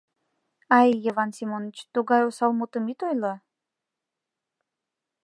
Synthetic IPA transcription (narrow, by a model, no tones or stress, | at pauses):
ɑjjevɑnsimonət͡ɕt̪uɣɑjosɑlmot̪əmit̪ojlɑ